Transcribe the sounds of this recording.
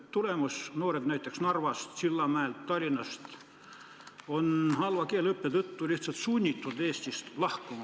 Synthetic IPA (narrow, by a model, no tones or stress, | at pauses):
t̪ulemɑsnoːɾed̪̥næjt̪ːˑeksnɑrvɑst̪silːɑmæelt̪ːɑlʲinɑst̪ | onhɑlvɑkeːlɤpːet̪ət̪ːulʲiht̪sɑt̪sunʲːit̪ːˑud̪eːst̪ʲist̪lɑhkumɑ